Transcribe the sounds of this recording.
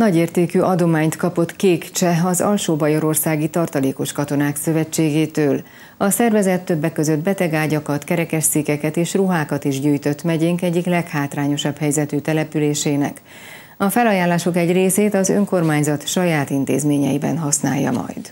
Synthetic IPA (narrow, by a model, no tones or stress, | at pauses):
nɒɟeːrt̪eːkyːʔɒd̪o̞maːɲt̪kɒpo̞t̪keːkt͡ʃɛɒzɒ̰lʃoːbɒjo̞ɾo̞rsaːɡit̪ɒrt̪ɒleːko̞ʃkɒt̪o̞naːksø̞vɛt͡ʃːeːɡeːt̪øːl | ɒsɛrvɛzɛt̪ːø̞bːɛkːø̞zød̪̚bɛt̪ɛɡaːɟɒkɒt̪kɛɾɛkɛʃt̪sikːɛkɛt̪eːʃruɦaːkɒt̪iʒɟyːjt̪ø̞t̪ːmɛɟeːŋkɛɟːiklɛkhaːt̪raːɲo̞ʃɒbhɛjzɛt̪yːt̪ɛlɛpyleːʃeːnɛ̰k | ɒfɛlɒjaːlːaːʃo̞kɛɟreːseːt̪ɒzø̞ŋko̞rmaːɲzɒt̪ʃɒjaːt̪int̪ḛːzmeːɲɛ̰jibɛ̰nɦɒsna̰ːjːɒ̰mɒ̰jd̪̥